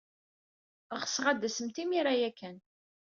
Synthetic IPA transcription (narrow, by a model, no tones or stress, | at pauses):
ʁəsʁad̪ːæsəmt̪imiɾajækːæn